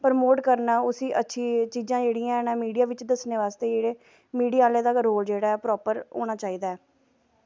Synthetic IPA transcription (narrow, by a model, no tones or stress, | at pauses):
pəɾmoːʈkəɾnaːʊsiːʔətːʃʰiːt͡ʃiːzãːd͡ʒeːɽĩːãːnɛ̃ːmiːɖijaːʋɪt͡ʃd̪əsneːʋaːst̪eːd͡ʒeːɽeː | miːɖijaːleːd̪aːoːld͡ʒeːɽaːɛpɾɔːpəɾɦo̰ːɽ̃aːt͡ʃaːiːd̪aːɛː